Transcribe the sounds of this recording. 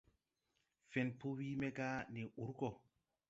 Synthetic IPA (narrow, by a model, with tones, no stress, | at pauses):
fe˨npo˦wi˦me˦ɡa˦ni˨u˨˦ɾɡɔ˨